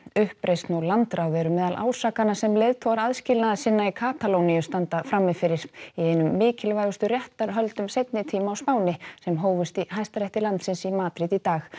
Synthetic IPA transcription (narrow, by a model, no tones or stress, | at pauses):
ʏhpɾʔejst̪nulant̪ɾaːwðɛɾʏmɛːðalʔa̰ːwsaːkanasɛmlejðt̪ʰowaɾaðscɪlnaðasɪnːaikʰaːt̪alowniʏst̪ant̪afɾamːɪfɪɾɪɾ̥iejnʏmːɪːcɪlvajɣʏst̪ʏrjɛht̪aɾɦœlt̪ʏmsejt̪̚nɪt̪ʰiːmaawspaːwnɪsɛmɦoːwvʏst̪iɦajst̪aɾɛht̪ɪɾlant̪sɪnsimaːt̪ɾɪðit̪aːx